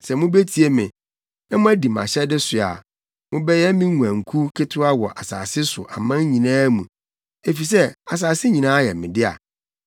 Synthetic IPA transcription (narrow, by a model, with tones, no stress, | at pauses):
sɛ˨mʊ̃˦be˦tʰi˨e˦mɪ̃˨ | ɛ˦mʊ̃˦æ˦di˨m˨a̰˨ɕɛ˦dɪ˦sʊ˨a̰˨ | mʊ̃˦bɛ˦jɛ˦mĩ˦ŋũ˨æ̃˨ŋ̩˨kʰu˦kʰɪ˦tʰʊ˦a˦wɔ˨ʔa˨sa̰ː˨sɪ˦sʊ̰˨ʔa˨mã˦ɲ˦ɲĩ˨nãː˦mũ˨ | e˨fi˨s̬ɛ˦a˨s̬aː˨sɪ˦ɲĩ˨nãː˦jɛ˨mɪ̰̃˨dɪ˦a̰˨